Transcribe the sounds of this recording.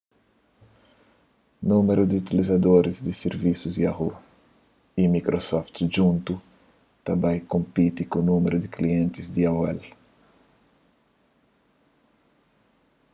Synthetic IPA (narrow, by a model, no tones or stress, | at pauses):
nũmeɾud̪iut̪ilizad̪oɾizd̪ɪseɾvisuziaɦu | imikɾosɔft̪ʒũnt̪u | t̪abajkõmpit̪ikũnũmeɾud̪ɪkliẽnt̪ɪzd̪iawɛ̰l